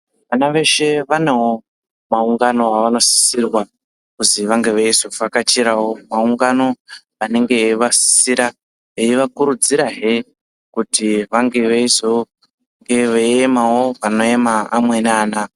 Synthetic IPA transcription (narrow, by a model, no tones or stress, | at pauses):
ʋanaʋe̞ʃe̞ʋanewo | mauŋɡano̞aʋano̞si̥sirwa | kuziʋaŋɡe̞ʋeizo̞fakat͡ʃiɾawo̞mauŋɡano̞ | ane̞ŋɡe̞ʋasi̥siɾa | eiʋakuɾud͡ziɾaɦe̞ | kutiʋaŋɡe̞ʋeizo | ŋɡe̞ʋeemawo̞ʋano̞emaamwe̞naːna